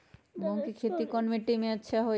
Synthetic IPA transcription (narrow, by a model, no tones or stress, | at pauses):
eboŋkikʰet̪ikɔnmiʈimeat͡ɕʰaɦo